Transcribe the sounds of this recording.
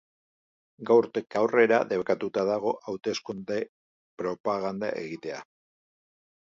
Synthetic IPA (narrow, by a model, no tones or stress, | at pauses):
ɡawɾt̪ekawre̞ɾa̰ðe̞βkat̪ut̪aðaɣ̞o̞ʔawt̪e̞skund̪e | pɾo̞paɣ̞and̪a̰ʔe̞̰ɣit̪e̞a̰